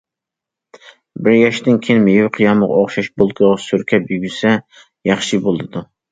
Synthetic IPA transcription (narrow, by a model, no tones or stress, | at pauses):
bɪɾjɑʃd̪ɪnkʲʰejɪnmejiwqʰɨjɑməʁ̰oχʃɑʃbolˠd̪ʊʁsyɾkʲʰɛbyɡʲysɛ | jɑχʃɨbolˠd̪ɨd̪u